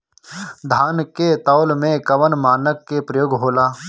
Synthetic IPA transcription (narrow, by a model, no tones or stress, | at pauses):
d̪ʱaːnket̪ɔːlmẽkɐʋənmaːnəkːepɾəjoːɡɦoːlaː